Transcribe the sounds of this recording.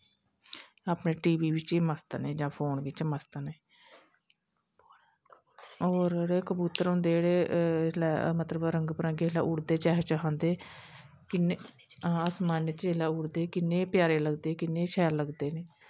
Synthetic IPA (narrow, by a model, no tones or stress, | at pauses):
aːpneːʈiːʋiːʋɪt͡ʃiːməst̪neːd͡ʒãːpʰoːnʋɪt͡ʃməst̪neː | oːɾɽeːkəbuːt̪ːəɾɦõːnd̪eːɽeːlɛːmət̪ləbɾəŋɡpəɾãːɡeːlaːʔuɽd̪eːt͡ʃaːɦt͡ʃaːɦãːnd̪eː | kɪne | aːsmaːnet͡ʃeːlaːʊɽd̪eːkɪnːeːpɪjaːɾeːləɡd̪eːkɪnːeːʃʰɛːɾləɡd̪eːneː